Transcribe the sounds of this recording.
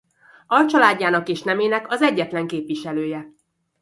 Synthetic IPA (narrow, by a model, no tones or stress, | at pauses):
ɒlt͡ʃɒlaːɟːaːnɒkeːʃnɛmeːnɛkɒzɛɟːɛt̪lɛŋkeːpʋiʃɛløːjɛ